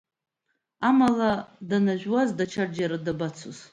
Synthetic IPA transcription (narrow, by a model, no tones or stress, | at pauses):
amaladanaʒʷᶣwazdat͡ʃʰard͡ʒaɾadabat͡sʰoz